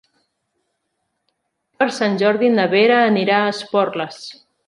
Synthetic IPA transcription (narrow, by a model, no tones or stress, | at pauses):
pəɾsanʲʒɔɾðinəβeɾəːniɾaəspɔrləs